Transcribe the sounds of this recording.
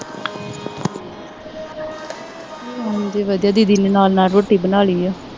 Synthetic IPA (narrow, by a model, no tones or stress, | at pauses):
nd̪iːʋəd̪jaːd̪iːd̪ɪnnaːlnaːlɾoːʈiːbənaːɭiːɛː